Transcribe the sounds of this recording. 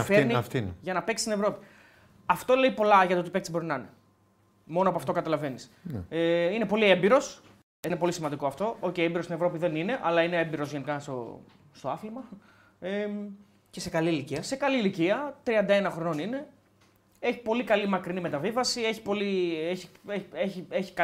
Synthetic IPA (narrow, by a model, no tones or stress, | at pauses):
fenifnʝɐnɐpeksi̥st̪inevɾo̞pi̥ | ɐft̪o̞le̞ipo̞lɐʝɐt̪ot̪ipe̞ksibo̞ɾinɐne | mo̞noɐp̬oɐft̪o̞kɐt̪ɐlɐve̞niseine̞po̞liembiɾo̞s | inepo̞lisimɐnd̪ikoɐft̪o̞oceiembiɾost̪nevɾo̞piðe̞nine̞ʔɐlɐineembiɾo̞zʝenikɐst̪o̰ | st̪oɐθlimɐ | e | cesekɐliliiɐse̞kɐliːliciɐt̪ɾiɐnd̪ɐe̞nɐxɾo̞no̞nine̞ | e̞çi̥po̞likɐlimɐkɾinime̞t̪ɐvivɐsie̞çi̥po̞lieçieeçieçi̥kɐ